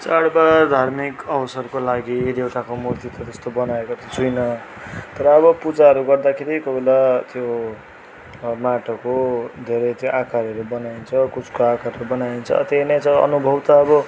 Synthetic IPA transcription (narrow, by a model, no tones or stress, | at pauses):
t͡saɽbad̪ʱarmikʌwsʌrkolaɡieɾewʈakomurt̪it̪ʌd͡zʌst̪obʌnaekot̪ʌt͡sʰujnʌt̪ʌɾʌːbʌpud͡zaʌɾuɡʌrd̪akʰeɾikobelat̪jo | maʈʌkod̪ʱeɾʌjt̪joʔakaɾʌɾubʌnaint͡sʰʌkut͡skoakaɾʌɾubʌnaint͡sʰʌ̰t̪einʌjt͡sʌʌ̰nubʱʌwt̪aːbʌ